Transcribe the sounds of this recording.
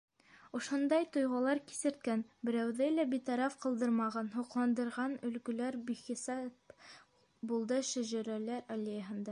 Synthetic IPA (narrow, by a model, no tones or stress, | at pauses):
ŏʃond̪ɑjt̪ŏjʁɑlˠɑɾki̥sɘ̆ɾt̪̚kænbɘ̆ɾæwðɘlæbit̪ɑɾɑfqɤ̆lˠd̪ɤɾmɑʁɑnɦuqlˠɑnd̪ɤ̆ɾʁɑnɵ̆lɡɵ̆læɾbiχisɑp | bulˠd̪ɤʃæ̆ʒæɾælæɾɑlʲejəɦɤ̆nd̪ɑ